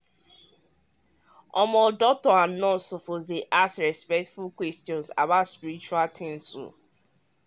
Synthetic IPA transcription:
ɔmɔdɔk̚tɔãnːɔsopozdeʔasɹɛspɛk̚tfulkwɛstiɔ̃nsa̰batspiɾit͡ʃualtʰɪ̃nsso̰

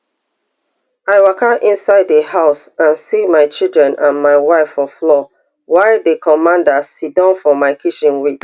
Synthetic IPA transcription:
aɪwakaʔĩnsaɪdehaʊsãnsimaɪt͡ʃilˠdɹɛ̃nʔãnmaɪwaɪfɔflɔ | waɪdekʰɔmãndasidɔ̃nfɔmaɪkʰit͡ʃĩnwit

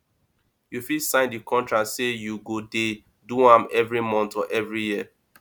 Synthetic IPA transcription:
jufisãɪ̃ndikʰɔ̃ntɹatsejuɡode | duãmɛvɹimɔ̃ntɔʔɛvɹijiə

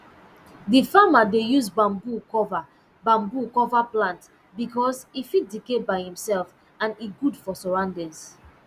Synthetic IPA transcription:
difamadejuzbãmbukɔva | bãmbukɔvaplãnt | bikɔsifit̚dikebaɪhĩmsɛlf | ãniɡudfɔsɔɹãʊ̃ndɛ̃ns

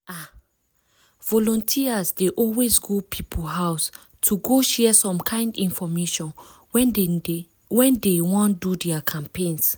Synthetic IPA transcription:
a | vɔlɔ̃ntʰiazdeʔɔlwezɡopʰipʰolɦaws | tʰuɡoʃɛsɔ̃mkʰãɪ̃ndĩnfɔmeʃɔ̃n | wɛ̃ndewɔ̃ndudɛakʰãmpẽns

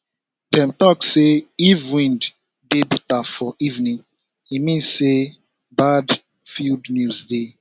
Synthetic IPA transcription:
dɛ̃mtɔkseivwĩnd | debitaffɔʔivnĩŋ | imĩnse | bad | fildnjuzde

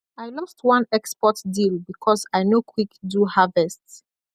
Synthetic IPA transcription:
aɪlɔstwãnɛkspɔtdilbikʰɔsaɪnokʰwikduhavɛsts

